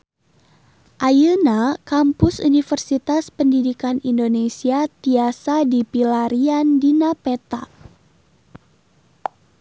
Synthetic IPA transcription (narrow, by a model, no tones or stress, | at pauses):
ʔajənakampʊsṵnifərsit̪aspəndidikanindonesiat̪iasadipilaɾiandinapet̪a̰k̚